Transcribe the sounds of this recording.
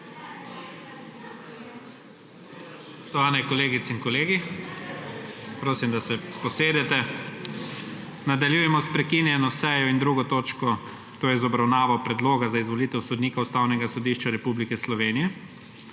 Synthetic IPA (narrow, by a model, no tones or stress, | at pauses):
ɔst̪ɔʋaːnɛkɔleːɡit̪sɛinkɔleːɡi | pɾoːsimd̪asɛpɔseːd̪ɛt̪ɛ | nad̪aljujɛmɔspɾɛkinjɛnɔsɛːjɔind̪ɾuːɡɔt̪oːt͡ʃkɔ | t̪oːjɛzɔbɾawnaːʋɔpɾɛd̪loːɡazaizʋɔlit̪ɛwsɔd̪niːkaust̪awnɛɡasɔd̪iːʃt͡ʃaɾɛpublikɛslɔʋeːnijɛ